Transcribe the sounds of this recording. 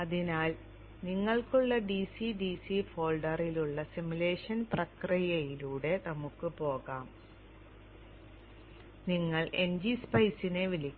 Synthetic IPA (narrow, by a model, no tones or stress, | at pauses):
ɐðinaːl | niŋːɐɭkuɭːɐɖisiɖisifo̞ːlɖɐriluɭːɐsimule̞ːʂɐnprɐkrijɐjiluːɽe̞nɐmukːɨpo̞ːɣaːm | niŋːɐɭʔend͡ʑispɐjsineʋilikʲː